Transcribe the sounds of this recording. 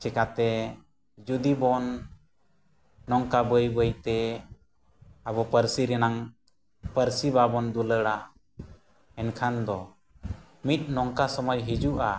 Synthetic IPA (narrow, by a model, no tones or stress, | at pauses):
t͡ʃɛkat̪ɛ | d͡ʒud̪ibɔn | ɔŋkabəjbəjt̪ɛ | abɔpəɾsiɾɛnaŋ | pəɾsibabɔnd̪uləɽa | ɛnkʰand̪ɔ | mit̪̚ˀnɔŋkasɔmɔjɦid͡ʒuʔa